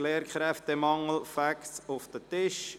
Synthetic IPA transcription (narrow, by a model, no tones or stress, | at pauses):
leːɾkχɾɛft̪əmɑŋəl̩fæksʊfd̥̪ətɪʃ